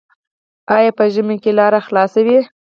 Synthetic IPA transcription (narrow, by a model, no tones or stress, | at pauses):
ɑjɑpəʒəmekelɑɾaxlɑsawi